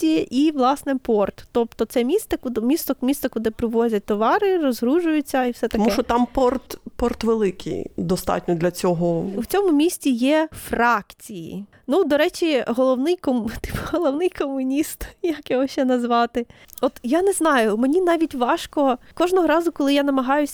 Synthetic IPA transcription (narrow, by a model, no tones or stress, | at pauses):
iʔiʋlˠɑsnɛpɔrt̪t̪ɔp̚t̪ɔt̪sɛmʲist̪ɐkʊd̪mʲist̪ɔmʲisɔkʊd̪ɪpɾɪʋɔzʲɐt̚ʲt̪ɔʋɑɾɪɾɔzɦɾuʒʊjʊt͡sʲːɐiwsɛt̪ɐɔmuʃɔt̪ɑmpɔrt̪pɔrt̪ʋelˠɪkʰḭjd̪ɔst̪ɑ̰tʲnʲɔd̪lʲɐt͡sʲɔɦɔuwt͡sʲɔmʊmʲisʲtʲijɛfrɑkt͡sʲijḭ | nud̪ɔɾɛt͡ʃʲiɦɔlˠɔwnɪjkɔmt̪ɪ̥pɦɔlˠɔwnɪjkɔmʊnʲist̪jɐkjɔɦɔʃt͡ʃɛnɐzʋɑt̪ɪɔt̪janɛznɑjʊmenʲinɑʋʲitʲʋɑʃkɔkɔʒnɔɦɔɾɑzʊkɔlˠɪjanɐmɐɦɑjʊsʲ